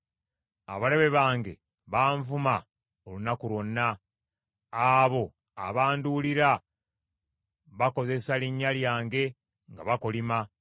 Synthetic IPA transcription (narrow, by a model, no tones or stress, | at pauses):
a̰βale̞βe̞βaːŋɡe̞̰ | βaːɱvuma | olunakuɾonːaː | βo̞ | a̰βaːnduliɾa | βako̞ze̞saliɲːaljaːŋɡe̞ | ŋɡa̰βakolima